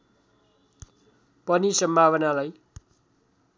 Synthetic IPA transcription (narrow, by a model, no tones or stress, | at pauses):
pʌnisʌmbʱaβʌnalaj